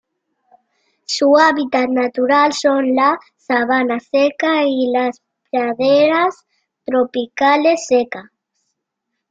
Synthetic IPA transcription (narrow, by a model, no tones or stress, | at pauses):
suaβit̪at̪nat̪uɾalsonla | saβ̞anasekailas | pɾaðeɾas | t̪ɾopikalesːeka